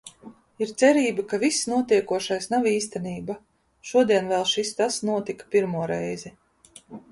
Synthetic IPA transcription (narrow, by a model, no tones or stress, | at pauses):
iɾt̪sɛɾiːbakavisːnuɔt̪iɛkuɔʃajsnaviːst̪ɛniːba | ʃuɔd̪iɛnvɛlˠʃist̪asnuɔt̪ikḁpiɾmuɔɾɛjzɛ